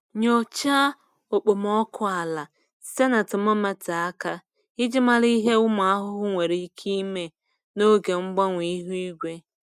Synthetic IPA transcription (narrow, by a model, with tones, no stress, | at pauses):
ɲo˨t͡ʃa˦ | o˨k͡po˨m˦ɔ˦kʰʊ˦a˨la˨ | se˦na˨tʊ˨mɔ˦ma˦ta˨a˦ka˦ | ɪ˦d͡ʒɪ˦ma˦li˦ɦe˦ʊ˦m˨˦a˦ɦʊ˦ɦʊ˦ŋʷe˨ɾi˨˦kʰi˦me˨ | no˦ɡe˨ŋ͡m̩˦ɡ͡ba˦ŋʷi˨˦ɦu˦i˦ɡʷe˦